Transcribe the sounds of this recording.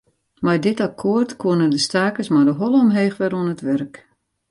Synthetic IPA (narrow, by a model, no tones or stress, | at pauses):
majdɪtakʰoərtkwoənəndəstaːkəsmadəɦɔlˠɔmɦeːxʋɛɾuənətʋɛrk